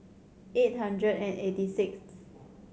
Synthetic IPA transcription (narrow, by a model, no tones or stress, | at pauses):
et̚ɦãndɹədɛ̃netisɪks